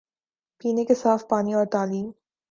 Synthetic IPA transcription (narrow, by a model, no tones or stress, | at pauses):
piːnekesaːfpaːniɔːɾt̪aːliːm